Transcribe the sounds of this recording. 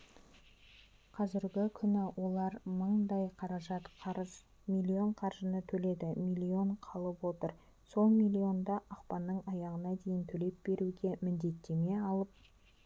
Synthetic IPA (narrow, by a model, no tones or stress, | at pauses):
qʰɑzɪɾɡʲɪkʲʰʏnɪwʔo̞lˠɑɾməɴd̪ɑjqʰɑɾɑʒɑt̪ | milʲːio̞ɴqʰɑɾʒənət̪ʰɵle̞d̪ɪmijlʲːio̞ɴqʰɑlˠəpwo̞t̪əɾ | so̞lˠmijlʲːio̞nd̪ɑʔɑqpɑnːəɴɑjɑʁənɑd̪e̞jɪnt̪ʰɵle̞p̚be̞ɾuɡʲe̞mɪnd̪e̞t̪ːe̞me̞ɑlˠəp̚